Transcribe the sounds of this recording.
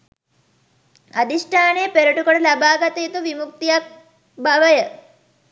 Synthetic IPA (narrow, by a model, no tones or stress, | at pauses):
ɐd̪iʂʈʰaːneːpeɾɐʈukɐɽɐlabaːɡɐt̪et̪uʋimuk̚t̪ijak | baʋɐjə